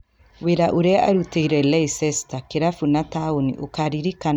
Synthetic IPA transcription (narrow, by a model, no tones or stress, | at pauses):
weɾaʔoɾeaʔaɾuteiɾɛlɛisɛstakeɾafunataonḭʔokaɾiɾika